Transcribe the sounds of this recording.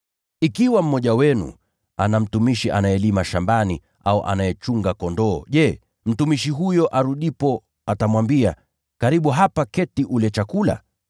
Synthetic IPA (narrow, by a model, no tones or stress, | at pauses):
ikiwam̩mɔʄawɛnṵ | anam̩tumiʃiʔanajɛlimaʃambani | a̰ṵʔa̰najɛt͡ʃuŋɡakɔndɔːʄɛ | m̩tumiʃiɦujɔʔaɾuɗipɔ | atamwambia | kaɾiɓuɦapakɛtiʔulɛt͡ʃakula̰